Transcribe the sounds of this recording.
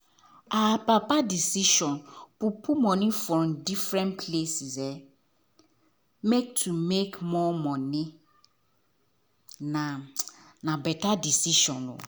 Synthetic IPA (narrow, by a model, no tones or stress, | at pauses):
apapadisiʃɔ̃npupʰumɔ̃nɪ̃fɾɔ̃mdifɾɛ̃npʰlesizɛ | mek̚tʰumekmɔmɔ̃nɪ̃ | nãnãbɛtadisiʃɔ̃no̰